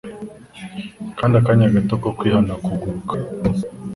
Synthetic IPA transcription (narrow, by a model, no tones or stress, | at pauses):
kandakaɲaɡatɔkɔkwihanakuɡukḁ